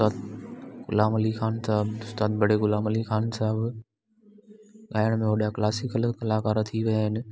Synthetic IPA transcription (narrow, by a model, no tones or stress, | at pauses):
t̪aːt̪̚ɡʊ̰laːmɐlixaːnsaɦɪbʊst̪aːt̪̚bʱɐɽeɡʊlaːmɐlixaːnsaɦɪb | ɠaːjəɽ̃mẽɦoːɗijaklaːsɪkəlkɐlaːkaːɾt̪ʰiʋɐaɦɪnɪ̆